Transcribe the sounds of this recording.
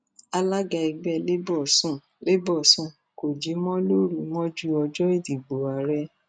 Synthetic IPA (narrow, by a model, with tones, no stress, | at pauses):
a˧la˦ɡa˧i˧ɡ͡bɛ˦˧le˦bɔ˦˨sũ˦˨ | le˦bɔ˦˨sũ˦˨ | ko˨d͡ʒi˨˦mɔ̃˦lo˦ɾi˧˨mɔ̃˦d͡ʒu˦ɔ˧d͡ʒɔ˦e˦˨di˨ɡ͡bo˨a˨ɾɛ˦